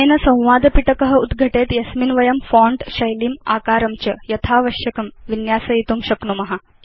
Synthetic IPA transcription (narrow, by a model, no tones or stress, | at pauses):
enɐsɐ̃w̃ʋaːd̪piʈəkəɦəud̪ɡʱɐʈet̪jɐsminʋɐjɐmfɔ̃ɳɖɕɐjliːma̰ːkaːɾɐmt͡ɕɐjɐt̪ʰaʋɐɕjɐkɐmʋinjaːsɐjit̪uːmɕɐknumɐɦa